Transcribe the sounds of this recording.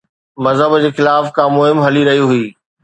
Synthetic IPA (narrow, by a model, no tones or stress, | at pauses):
mɐzɦəbd͡ʑeːxɪlaːfkʰãːmʊɦɪmɦɐliɾɐɦijuɦʊiː